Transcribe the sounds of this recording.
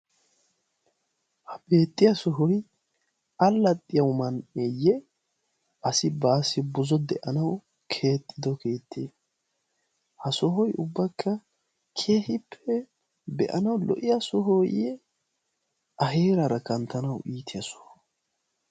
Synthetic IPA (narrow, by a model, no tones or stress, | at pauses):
hɐbe̞ːt̪ʼːɪjɐsɔɦɔj | ɐlːɐt̪ʼːɪjɐwmɐnejɛ | ʔɐsɪbaːsɪbʊzɔd̪ɛʔɐnɐw | kʰe̞ːt̪ʼːɪd̪ɔke̞ːt̪ʰːeː | hɐsɔɦɔjʊbːɐkʰːɐ | kʰe̞ːhɪpʰːɛ | bɛʔɐnɐwlɔ̰ʔɪjasɔɦɔjɛ | ʔɐɦe̞ːɾɐɾɐkɐnt̪ːɐnɐwʔiːt̪ʰɪjɐsɔ̥hɔ̥